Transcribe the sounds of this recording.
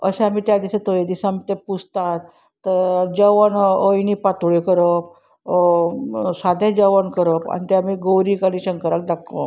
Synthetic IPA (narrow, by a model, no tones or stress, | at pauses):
ə̰ɕẽamit̪jad̪iɕet̪ojed̪isamt̪epust̪at̪ː | əd͡ʑəʋənəjnipat̪uɭekəɾəp̚ | sad̪ʱẽd͡ʑəʋənkəɾəpa̰nit̪eamiɡowɾikaɽĩɕəŋkəɾak̚d̪akːə̰̃